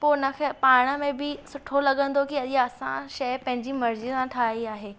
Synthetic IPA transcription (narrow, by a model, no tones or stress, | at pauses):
poːnɐkʰepaːɽ̃əmẽbɪsʊʈʰolɐɠə̃nd̪okiɐʄiaɐsã̰ʃɐjpɐ̃ɦɪ̃ɲd͡ʑimɐɾzisãʈʰaːiaːɦeː